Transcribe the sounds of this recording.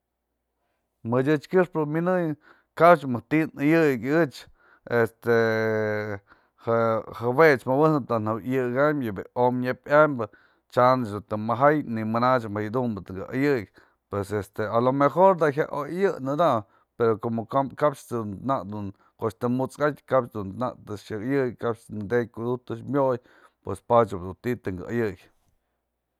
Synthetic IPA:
mɨdʲɨt͡ʃkɨʂpɨminɨj | kapt͡ʃmɨt̪inɨjɨɡɨt͡ʃ | est̪e | hahabet͡ʃmabɨnɨt̪anabjɨɡamjɨbeomɲapʲʔambɨ | t͡ʃant͡ʃd̪ut̪ɨmaɦajnimɨnat͡ʃmhajd̪umbɨt̪ɨɡɨʔajɨk | pwesest̪ealomexoɾd̪aɦʲa̰ʔojajɨnɨd̪a | peɾokomokakapt͡ʃt̪ɨnt̪naʔd̪un | koʔt͡ʃt̪ɨmut͡skat̪ʲkapt͡ʃd̪unt̪na̰ʔt̪ɨʃakajɨkkapt͡ʃd̪ɨnd̪ejkud̪ut̪ɨt͡ʃmʲoj | pwespat͡ʃɨbd̪unt̪it̪ɨŋɡɨajɨjʲ

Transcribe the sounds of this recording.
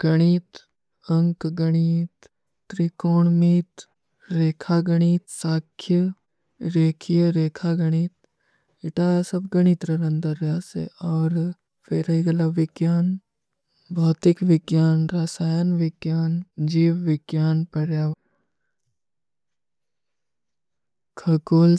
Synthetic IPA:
ɡ̥ɐɽ̃iːt̪ | ɐ̃ŋkɡɐɽ̃iːt̪ː | ɾikoːɳmiːt̪ | ɾeːkʰaːɡɐɽ̃iːt̪saːkʰjə | ɾeːkʰjəɾeːkʰaːɡɐɽ̃iːt̪̚ | ɪʈaːsɐbɡɐɽ̃it̪ɾɐɾɐ̃nd̪əɾaːsḛɔːɾ | feɾɐiɡɐlaʋɪɡjaːn | bʱɔːt̪ɪkʋɪɡjaːnɾaːsaːjənʋɪɡjaːnd͡ʒiːwʋɪɡjaːnpɐɾja | kʰɐkuːl

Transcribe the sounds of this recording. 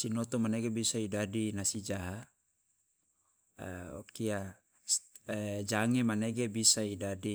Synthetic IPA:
sinɔt̪ɔmaneɡebisaidadinasid͡ʒaɦa | o̰kia | d͡ʒaŋemaneɡebisaidadi

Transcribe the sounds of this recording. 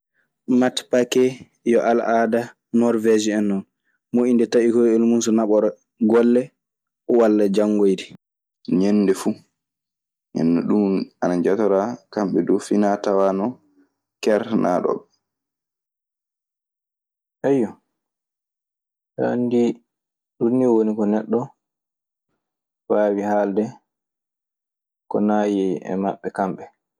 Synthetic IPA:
matpakɛ | jɔʔalʔada | nɔɾvɛd͡ʒiɛnːɔn | moʔindɛtaikɔjelmunsɔnaɓɔɾ | ɡɔlːɛ | ɔwalːad͡ʒaŋːɡojdi | ɲɛnːdɛfu | ɲɛ̰nːɛ̰ɗumanaɲd͡ʒatɔɾakamɓɛdufinatawanɔ | kɛɾna̰ɗɔ̰ɓ | ʔɛjːɔ | ha̰ndi | ɗunːiwonikɔnɛɗːɔ | waːwihaldɛ | kɔ̰naːjɛɛ̰maɓːɛkamɓɛ

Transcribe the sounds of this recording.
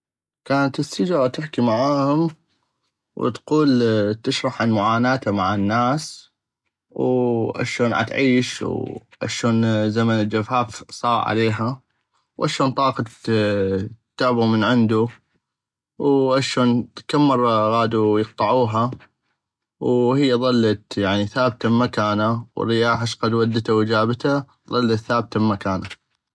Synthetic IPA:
kaːnat̪ɪsːɪd͡ʒɾˤɑt̪ɪħkimaʕaːhʊm | w̰t̪quːlt̪ɪʃɾˤɑħʕanmʊʕaːnaːt̪amaʕanːaːs | wʔa̰ʃoːnʕa̰t̪ʕiːʃw | ʔa̰ʃoːnzamanɪld͡ʒafaːfsˤɑːɾʕa̰leːɦa | wʔa̰ʃoːnt̪ˤɑːqɑ | t̪ːaʕbumənʕɪnd̪u | wʔaʃoːnkamːɑrˤːɑɣaːd̪ujɨq̚t̪ˤɑʕuːɦa | whɪjːaðˤɑlːat̪jaʕniθaːb̚t̪amakaːnawɪ̰rɪjaːħaʃqɑd̪wad̪ːt̪awɪd͡ʒaːbt̪a | ðˤɑlːat̪θaːbt̪abmakaːna

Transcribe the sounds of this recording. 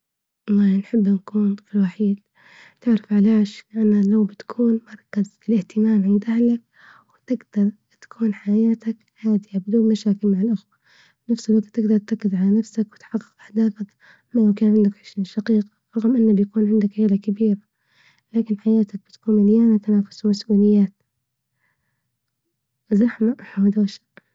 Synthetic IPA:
ʔɑlˤːɑːhnħɪbːnkuːnt̪ˤɨ̥fɪlwaħiːd̪ | t̪ɪʕɾɪfʕalaːʃlɪʔanːalawbɪt̪ḁkʰuːnmɑɾˤɑkːazɪlɪht̪ɪmaːmʕɪnd̪ʔahlak̚ | wt̪ɪɡd̪ɑɾˤ | t̪ḁkʰuːnħajaːt̪ak | haːd̪ɪjabɪd̪uːbmaʃaːkɪlmaʕalʔʊxwa | nafsɪlwak̚t̪ːɪɡd̪ɑɾˤt̪akːɪzʕalanafsakwɪt̪ħɑqːɨqʔaħd̪aːfak | majɪmkɪnʕɪnd̪akħɪʃaʃɑqiːqḁɾˤɑɣmʔɪnːabjakuːnʕɪnd̪akʕɪːlakabiːɾa | laːkɪnħajaːt̪ak̚b̥ɪt̪ḁkuːnɪljaːnat̪anaːfʊ̥smasʔuːlɪjːaːt̪ | zɑħmaʔħawd̪aːʃḁ

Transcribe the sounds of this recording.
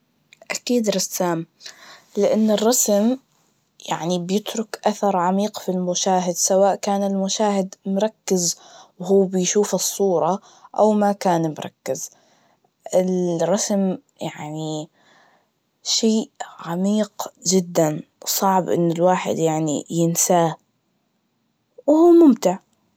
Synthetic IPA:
ʔakiːd̪ɾˤɑsːaːm | lɪʔanːɪrˤːɑsm | jaʕnibjɪt̪ɾʊkʔaθɑɾˤʕamiːqfilmʊʃaːɦɪd̪sawaːʔkaːnɪlmʊʃaːhɪd̪mʊɾˤɑkːɪzwɦuːbɪjʃuːfɨsˤːuːɾˤɑ | ʔawmakaːnmʊɾˤɑ̰kːɪz̥ | ʔɪlɾˤɑsm | jaʕni | ʃeːʕamiːqd͡ʒɪd̪ːansˤɑʕbʔɪ̰nːɪlwaːħɪ̰d̪jaʕnḭjɪnsaː | whuːmʊmt̪ɪʕ

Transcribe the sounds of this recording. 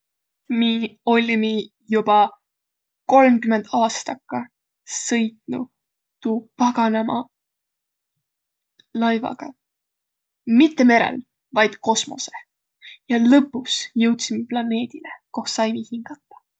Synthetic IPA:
miːo̞lʲimi | jubɑ | ko̞lmkymend̪̥ɑːst̪ɑkːˑɑ | sɤ̞jt̪nṵ | t̪uːpɑɡ̥ɑnemɑ̰ | lɑjvɑ̰ɡ̥ɑ̰ | mit̪ːe̞me̞ɾḛl | vɑjd̪̥ko̞smo̞̰se̥ | jɑlɤpːˑusjɤwt̪simeplɑne̞ːd̪̥ileko̞hsɑjmihiŋɡ̥ɑt̪ˑːɑ̥

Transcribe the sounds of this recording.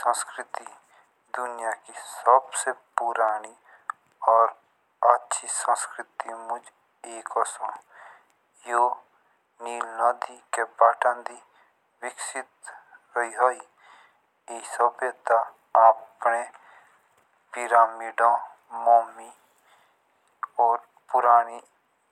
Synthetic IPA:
sə̃nskɾɪt̪iː | d̪ʊnɪjaːkisəbseːpʊɾaːniː | ɔːɾ | ətːʃʰiːsə̃nskɾɪt̪iːmʊd͡ʒ | eːkɔsõː | joː | niːlnãːd̪iːkeːpaːʈãːd̪iː | ʋɪkʃɪt̪ɾəɦiːɦoːiː | eisəbeːt̪a | aːpneː | pɪɾaːmiːɖãː | moːmiː | ɔːɾ | pʊɾaːniː

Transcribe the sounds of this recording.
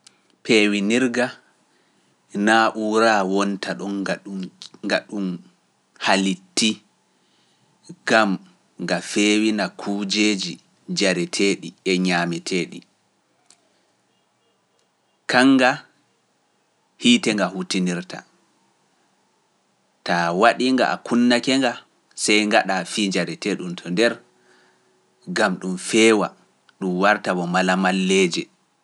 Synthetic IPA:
pʰeːwiniɾɡa | naːʔuːɾawɔntʰaɗɔn | ŋɡaɗum | halitːi | ɡ̥am | ŋɡafeːwinakʰuːd͡ʒeːd͡ʒi | d͡ʒaɾɛtʰeːɗiɛɲaːmɛtʰeːɗḭ | kaŋːɡa | hiːtɛŋɡahutiniɾta̰ | tawaɗiŋɡa̰ʔa̰kunːakɛŋɡa | sɛjŋɡaɗafiːd͡ʒaɾɛteɗumtʰɔndɛɾ | ɡamɗumfɛːwa | ɗumwaɾtabɔmalamalːeːd͡ʒɛ

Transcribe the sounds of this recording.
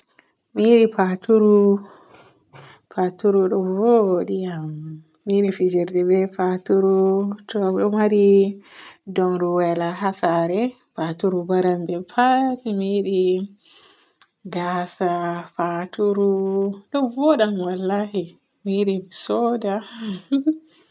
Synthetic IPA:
miɗipʰatuɾu | patuɾuɗɔvoɗiam | miɗifid͡ʒɛɾdɛbɛpatuɾutɔɗɔmaɾi | dɔnɾuwɛlaɦasaɾɛ | fatuɾubaɾambɛpʰatimiɗi | ɡasafatuɾuɗɔvɔɗamwalːahi | miɗisɔda

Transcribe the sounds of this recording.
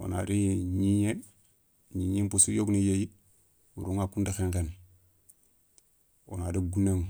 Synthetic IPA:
o̰na̰ɾiɲiɲe | ɲiɲimpusujoɡnijeji | wṵɾuŋakundaxeŋken | o̰nadaɡuneŋ

